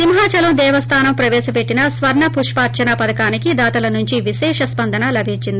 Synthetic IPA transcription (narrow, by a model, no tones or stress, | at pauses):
simɦaːt͡ʃɐlɐmd̪ɛːʋɐst̪ʰaːnɐmpɾɐʋɛːʃɐpe̞ʈːinɐsʋɐɾɳɐpuɾʂpaːɾt͡ʃɐnɐpɐd̪ɐkaːnikid̪aːt̪ɐlɐnuɲt͡ʃiʋiʃɛːʂɐspɐnd̪ɐnɐlɐbʱiɲt͡ʃːind̪ii